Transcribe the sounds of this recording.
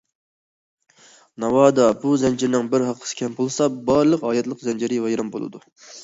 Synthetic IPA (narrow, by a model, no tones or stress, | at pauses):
nɑwɑːd̪ɑbuzɛnd͡ʒɪɾnɪŋbɪɾɦɑqʰːə̥sɪ̥kʲʰɛmbʰolˠsɑbɑɾlˠəqɑːjɛt̪lˠəqzɛnd͡ʒɪɾɪwɑjɾɑmbo̰lˠɨ̰d̪u